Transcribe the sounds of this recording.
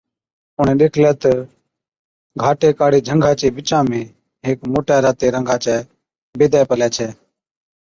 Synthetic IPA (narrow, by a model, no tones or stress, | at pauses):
ʊɳẽːɗeːkʰlɛːt̪ə | ɡʱaːʈeːkaːɽiːd͡ʒʱəŋɡʱaːt͡ʃeːɓɪt͡ʃãːmẽː | ɦeːkmoːʈaːɾaːt̪eːɾəŋɡʱaːt͡ʃɛː | ɓeːd̪ɛːpəlɛːt͡ʃʰɛː